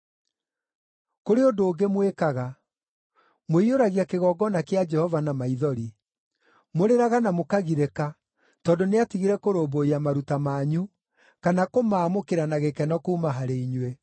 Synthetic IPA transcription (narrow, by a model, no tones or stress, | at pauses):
koɾeodoːɡemwekaɣa | moioɾaɣjakeɣɔɡɔnakead͡ʒɛhɔvanamaiðɔɾi | moɾeɾaɣanamokaɣiɾeka | tɔːdoneatiɣiɾɛkoɾoːboiamaɾutamaːɲu | kanakomaːmokeɾanaɣekɛnɔkuːmaɦaɾeiɲwe